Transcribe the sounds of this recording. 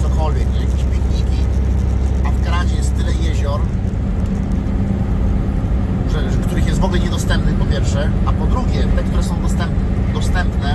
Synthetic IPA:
t̪ɔkɔlvʲjɛkɲʲɛjakʲeɕpʲikɲikʲi | avɡaɾad͡ʑɛjɛst̪ːɘlɛjeʑɔɾ | ʐɛʐkt̪uɾɘxjɛst̪vɔɡlɛɲɛd̪ɔst̪ɛmpnɘpɔpʲjɛɾfʂɛapɔd̪ɾuɡʲɛt̪ɛkt̪uɾɛsɔ̃w̃d̪ɔst̪ɛmpn | d̪ɔst̪ɛmpnɛ

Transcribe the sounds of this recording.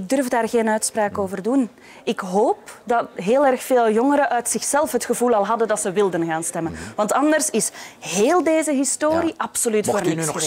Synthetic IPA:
ɪɡ̚dɵrvdaːrɣeːnœɥtspraːkoːvərdun | ɪkɦoːpdɑtɦeːlˠɛrxfeːlˠjɔŋəɾəʔœɥtsɪxsɛlˠfɦətxəvulˠɑlˠɦɑdəndɑtsəʋɪlˠdənɣaːnstɛmənʋɑntɑndərsɪsɦeːlˠdeːzəɦɪstoːɾiʔɑpsolytffoːrnɪ

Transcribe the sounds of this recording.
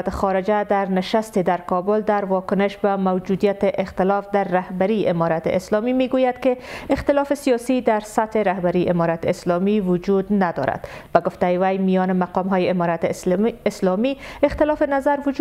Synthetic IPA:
t̪ɪxɔɾɪd͡ʒad̪aɾnɪʃast̪ɪd̪aɾkɔbʊld̪aɾwɒkʊnɪʃbamawd͡ʒud̪ijat̪ɪʔɪxt̪ɪlɒfd̪aɾːahbaɾiʔɪmɔɾat̪ɪ̰ɪslɔmimeɡojad̪kɪɪxt̪ɪlɒfɪsijɒsid̪aɾsat̪hɪɾahbaɾiʔɪmɔɾat̪ɪɪslɔmiwʊd͡ʒud̪nad̪ɔ̰ɾa̰d̪̥ | baɡʊft̪ajɪwajmijɔnɪmaqɒmɦɔjɪɪmɔɾat̪ɪslɔmiɪxt̪ɪlɒfɪnazaɾwʊd͡ʒ

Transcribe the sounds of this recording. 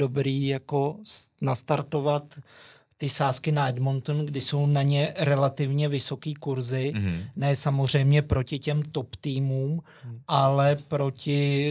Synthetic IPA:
do̞bɾiːjako̞nast̪aɾt̪o̞vat̪ː | ɪsaːskɪnaɛdmont̪unɡdɪso̞wnaɲɛɾɛlat̪ɪvɲɛvɪso̞kiːkuɾzɪnɛːsamozr̝ɛjmɲɛpɾo̞cɪcɛmt̪o̞pt̪iːmuːm | ʔalɛpɾo̞cɪ

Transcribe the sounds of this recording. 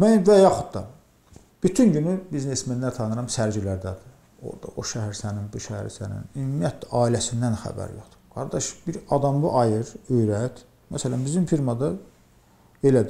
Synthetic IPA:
mænvæjɑxud̪d̪ɑ | b̥yt̪ʰynɟynybizne̞smenːæɾt̪ʰɑnɯɾɑmsæɾd͡ʒilæɾd̪æd̪i | o̰ɾd̪ɑʔoʃæhæɾsæninbuʃæhæ̰ɾsæ̰nḭnymijæt̪ʰlæʔɑːilæsind̪ænxæ̰bæ̰ɾjo̰χd̪̥ɯ̥ɡ̥ɑɾd̪ɑʃbiɾɑd̪ɑmbuʔɑjɯɾøjɾæt̪ | mæsælænbizimfiɾmɑd̪ɑ | elæd̪i

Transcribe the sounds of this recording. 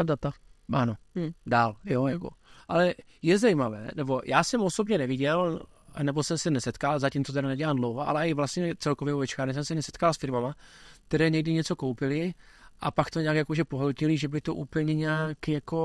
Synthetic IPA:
dat̪aʔanodaːljojako̰ʔalɛ | jɛzajimavɛ̰ːnɛbo̞jʔaːsɛmosobɲɛnɛvɪɟɛl | nɛbo̞sɛmsɛnɛsɛt̪kalzacimt͡soɛɾanɛɟɛladlowvaʔa̰lɛaɪvlast̪ɲɛt͡sɛlkovjɛvoɛt͡ʃkaːɾɲɛs̬ɛmsɛnɛsɛ̥t̪kalsfɪɾmamak̚t̪ɛɾɛːɲɛɡ̚dɪɲɛt͡so̞kowpɪlɪ | ʔapakt̪oɲakjakoʒɛpoɦolcɪliʒɛbɪlɪt̪oʔuːpl̩ɲɛɲɛaːkjako̞

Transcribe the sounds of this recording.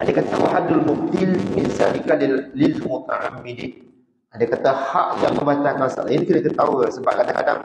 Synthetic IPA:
ʔadakat̪awaħadʊlmʊb̚t̪ɪlinsa̰nikaliːilmut̪a̰ʕa̰mːidi | adakat̪aha̰ʔja̰ŋməbat͡ʃakansa̰lainkiləkət̪a̰wəsəba̰ʔ̚kad̪aka̰da̰ŋ

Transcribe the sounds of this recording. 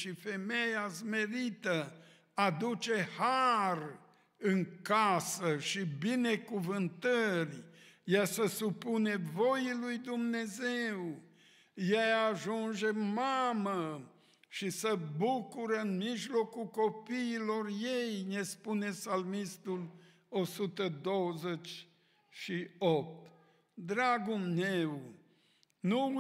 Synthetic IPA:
ʃifemejazme̞ɾit̪ə | ad̪ut͡ʃehar | ɨŋkasəʃibine̞kuvɨnt̪ərʲjesəsupune̞vojilujd̪umne̞zew | jejaʒund͡ʒemamə | ʃisəbukuɾəɨnmiʒlo̞kukopiːlorjejnespune̞salmist̪ul | osut̪əd̪owzet͡ʃʲ | ʃiop̚t̪ | d̪ɾaɡumnew | nu

